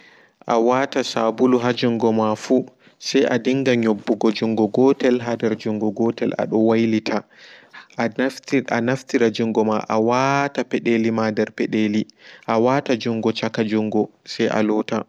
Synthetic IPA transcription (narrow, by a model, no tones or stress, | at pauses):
ʔawatasabuluɦad͡ʒuŋɡɔmafu | sɛjʔadiŋɡaɲobːuɡɔd͡ʒuŋɡɔɡɔtɛlɦadɛɾd͡ʒuŋɡɔɡɔtɛla̰ɗɔwajlitʰa | anaftiɾad͡ʒuŋɡɔmaʔawatapɛɗelimadɛɾpɛɗeliʔawatad͡ʒuŋɡɔt͡ʃakad͡ʒuŋɡɔsɛjʔa̰lɔta